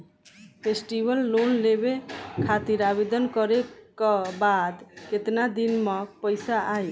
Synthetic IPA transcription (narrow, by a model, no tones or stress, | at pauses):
pʰesʈibəlːonlebekʰat̪iɾabed̪ənkɔɾekɔbad̪ket̪nad̪inmepəjsaʔaj